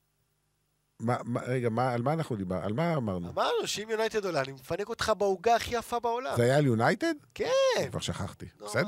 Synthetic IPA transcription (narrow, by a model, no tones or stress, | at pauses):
mamaʁeɡamaːlmaːnaχnud̪ibaʁa̰lmaːmaʁnumanoʃimjunajt̪ed̪olanimefaneko̞t̪χabauɡaːχijafabeolamzeajaljunajted̪keva̰ʁʃaχa̰χt̪ibesed̪e